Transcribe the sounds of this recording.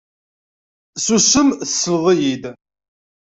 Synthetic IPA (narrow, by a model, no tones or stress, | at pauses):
susəmθsːəvðˤijid̪